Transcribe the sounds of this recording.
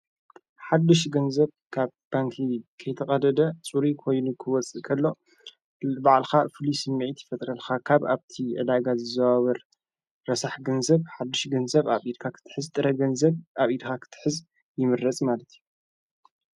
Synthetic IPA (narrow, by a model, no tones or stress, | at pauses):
ħad̪ːɨʃɡɐnzɐβ | kʰaβb̥aŋkʰikʰɐjt̪ʰɐkʼɐd̪ɐd̪ɐt͡sʼuɾikʰo̞jnukʰɨwɔt͡sʼɨʔkʰɐlːo̞ | baʕlxafɨlisɨmːiʕit̪jɪfɐt̪ʼɾɐlxakʰaβaβt̪ʰiʕɨ̰d̪aɡazɨzɐβaβɐɾ | ɾɐsaħɡɐnzɐβħad̪ːɨʃɡɐnzɐβaβid̪kʰakʰɨ̥t̪ʰɨ̥ħɨzt̪ʼɨɾɐɡɐnzɐβʔaβid̪kʰakʰɨ̥t̪ʰɨ̥ħɨz | jɪmɨɾːɐt͡sʼmalɐt̪ʰiju